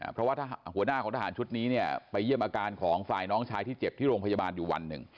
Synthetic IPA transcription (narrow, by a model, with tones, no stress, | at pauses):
pʰɾɔ˦waː˥˩t̪ʰa˧hu˩˦ənaː˥˩kʰɔː˩˦ŋt̪ʰa˧aː˩˦nt͡ɕʰu˦˥t̪̚niː˦˥ni˥˩ɐpa˧jːɯ˥˩əmʔaː˧kaː˧nkʰɔː˩˦ŋfaː˨˩jnɔː˦˥ŋt͡ɕʰaː˦˥jt̪ʰiː˥˩t͡ɕe˨˩p̚t̪ʰiː˥˩ɾoː˧ŋpʰa˧ja˧baː˧njuː˨˩wa̰˧nːɯ̰˨˩ŋ